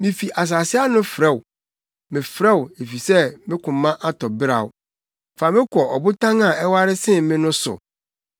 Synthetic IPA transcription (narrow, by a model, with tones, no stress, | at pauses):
mɪ̃˨fi˨ʔa˨s̬a˨sɪ˦a˦nʊ̃˦fɾɛ˦˨w | mɪ̃˨fɾɛ˦we˨fi˨sɛ˦mɪ̃˦kʰʊ̃˨mːã˦ʔa˦tʰɔ˨bɪ˦ɾa̰˨wʊ˨ | fa˨mɪ̃˦kʰʷɔ˨ɔ˨bʊ˦tʰã˦ŋa˨ɛ˦wa˦ɾɪ˦sɪ̃˦mɪ̃˦nʊ̃˦sʊ̰˨